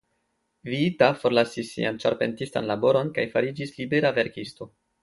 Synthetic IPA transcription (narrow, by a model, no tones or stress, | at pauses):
viitafo̞ɾlasisːḭant͡ʃaɾpe̞̰ntistanlabo̞ɾo̞nkajfaɾid͡ʒislibe̞ɾave̞ɾkisto̞